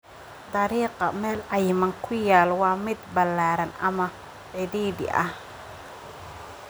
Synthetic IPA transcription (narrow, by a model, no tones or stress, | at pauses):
d̪ɑɾiːqɑmɛːlʕɑjmɐŋkʰʊjaːlwɑːmɪd̪bɐlaːɾɐnɐ̰mɐ | ʕɪðiːðɪ̰ʔɐ̰h